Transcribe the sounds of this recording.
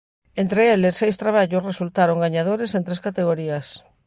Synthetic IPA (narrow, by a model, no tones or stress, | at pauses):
ent̪ɾeelesːejst̪ɾaβ̞aʎʊsresult̪aɾoŋɡaɲaðoɾesent̪ɾeskat̪eɣ̞oɾiɐs